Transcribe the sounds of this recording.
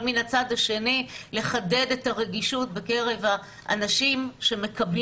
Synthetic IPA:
minat͡sad̪haʃe̞nile̞χade̞de̞taʁe̞ɡiʃut̚beke̞ʁe̞va | ʔa̰naʃimʃe̞me̞kabl

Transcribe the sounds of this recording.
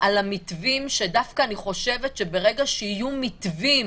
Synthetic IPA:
ʔalamit̪vimʃe̞dafkaːniχo̞ʃe̞ve̞tʃe̞be̞ʁe̞ɡaʃehijumit̪vim

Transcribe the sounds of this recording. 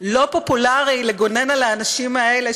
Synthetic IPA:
lo̞populaʁileɡo̞ne̞nalaːnaʃimaele

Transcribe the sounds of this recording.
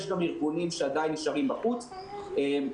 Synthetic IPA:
eʃɡamiʁɡunimʃead̪ajiniʃaʁimbaχut͡s | em

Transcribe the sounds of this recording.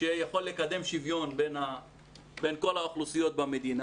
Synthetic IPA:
ʃejaχo̞lːekad̪e̞mʃivjo̞nbena | benko̞lhaoχlusijo̞t̪̚bamed̪ina

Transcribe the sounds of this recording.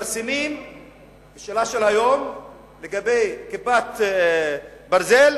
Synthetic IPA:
ɾsimim | b̥eʃeːlaʃelhajom | leɡabejkibat̪ | baɾzel

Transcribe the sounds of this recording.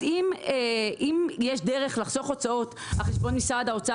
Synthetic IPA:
imeʔimjeʃdeʁeχlaχso̞χo̞t͡sao̞t | aχeʃbo̞nmisadao̞t͡sa

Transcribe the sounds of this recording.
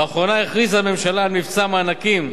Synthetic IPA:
aχʁonaiχʁizame̞mʃalaːlmivt͡samaːnakim

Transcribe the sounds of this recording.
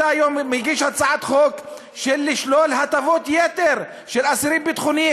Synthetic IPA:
aajomːiʁɡiʃhat͡saʕat̪χok | ʃelːiʃlolɦat̪avot̪jet̪eʁ | ʃelasiɾimbet̪χuni

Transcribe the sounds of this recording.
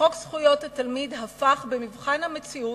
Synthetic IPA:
oksχujo̞thatalmidɦafaχbemivχanhame̞t͡siu

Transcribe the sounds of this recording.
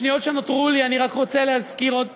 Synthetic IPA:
nijo̞tʃenotʁulianiʁakʁo̞t͡seleɦazkiʁod

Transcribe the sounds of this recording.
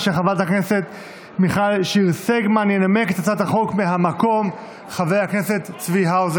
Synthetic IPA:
ʃeχavat̪aknese̞t̪ | miχalʃiʁseɡmanjenamekt̪at͡sat̪haχo̞kmeɦamako̞m | χavejhakneset̪t͡sviɦawz

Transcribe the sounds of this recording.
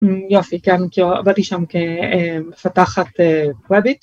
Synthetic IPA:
jo̞fikɛnkilua̰bat̪iʃamkemefataχat̪ekwɛbit̪

